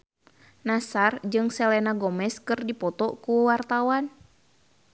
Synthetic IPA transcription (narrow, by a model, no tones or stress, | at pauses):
nasard͡ʒɨŋsɛlɛnaɡɔmɛskɨrdipɔt̪ɔkuwart̪awan